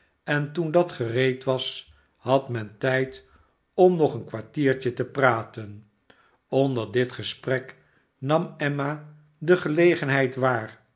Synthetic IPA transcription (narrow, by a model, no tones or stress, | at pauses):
ɛntundɑtχərejtʋɑs | hɑtmɛntɛjt | ɔmnɔχənkʋaɹtiːɹt͡ʃətəpraːtən | ɔndəɹdɪtχəsprɛk | nɑmɛma | dəχəlejχənɦɛjtʋaːr